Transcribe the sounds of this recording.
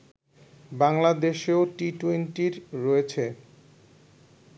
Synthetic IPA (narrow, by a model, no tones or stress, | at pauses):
baŋlad̪eʃeoʈiʈwenʈiɾːɔet͡ɕʰe